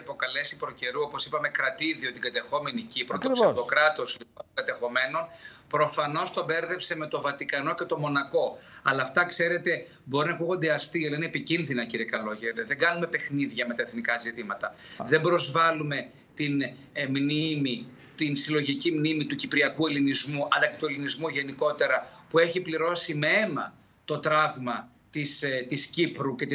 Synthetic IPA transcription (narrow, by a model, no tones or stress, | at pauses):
ɐpo̞kɐle̞sipɾoce̞ɾuopo̞sipɐme̞kɾɐt̪iðio̞t̪iɡɐt̪e̞xo̞me̞nicipɾot̪osðokɾɐt̪o̞szlipot̪oɡɐt̪e̞xo̞me̞no̞n | pɾo̞fɐno̞st̪o̞beɾðe̞pseme̞t̪o̞vɐt̪ikɐno̞ce̞t̪o̞mo̞nɐko̞ɐlɐːft̪ɐkse̞ɾe̞t̪e̞ | bo̞ɾinɐkuɣo̞nd̪eɐst̪iɐlɐineepicinðinɐciɾiekɐlo̞ʝeɾðe̞ŋɡɐnume̞pe̞xniðʝɐme̞t̪ɐeθnikɐzit̪imɐt̪ɐðe̞mbɾo̞zvɐlume̞ | t̪in | mnimi | t̪insilo̞ʝicimnimit̪ucipɾiɐkue̞linizmuʔɐnd̪ɐcet̪ue̞linizmuʝe̞niko̞t̪e̞ɾɐpue̞çipliɾo̞simee̞mɐ̰ | t̪o̞t̪ɾɐvmɐ | t̪ist̪iscipɾuce̞t̪i